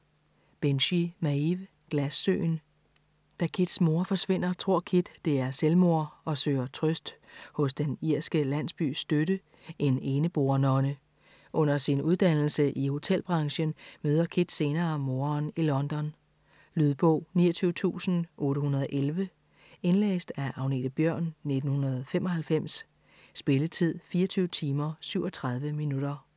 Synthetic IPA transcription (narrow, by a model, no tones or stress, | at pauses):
b̥enɕimæiʋ | ɡ̥læsːø̰ːn | d̥ækʰid̥smo̝ɐfɒ̽sʋe̝n̰ɐt͡sʰʁo̝ɐ̰kʰid̥ːe̝æɐselmo̝ɐɒ̽sø̰ːɐt͡sʰʁœsd̥hɔ̽s̬d̥eniɐsɡ̥əlæn̰sb̥y̰ːsd̥øɾə | e̝ne̝ːnəb̥o̝ɐnɒ̽nə | ʔɔ̽n̰ɐsinuð̞ˠd̥ænl̩səʔiho̝t͡sʰel̰b̥ʁɑ̈ŋɕənmøːð̞ˠɐkʰid̥se̝ːnɐːmo̝ːɐnilɒ̽nd̥ɒ̽n | lyðˠb̥ɔʊːnḭːɐt͡sʰyːʊət͡sʰṵːsn̩ʔɔ̽ːɾəhunɐð̞ˠʔelʋə | e̝nlḛːsd̥æʔɑ̈ʊne̝̰d̥b̥jœɐ̰nːe̝d̥n̩hunɐð̩ˠfem̰ɒ̽hælfem̰s | sb̥e̝lət͡sʰið̞̰ˠfiːɐt͡sʰyːʊt͡sʰiːmɐsyʊɒ̽t͡sʰʁäð̞ˠʋəminuɾ̥ɐ